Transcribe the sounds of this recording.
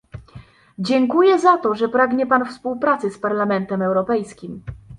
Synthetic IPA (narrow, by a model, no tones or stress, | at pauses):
d͡ʑɛŋkujɛzat̪ɔʐɛpɾaɡɲɛpanfspuwpɾat̪sɘspaɾlamɛnt̪ɛmɛwɾɔpɛjskʲim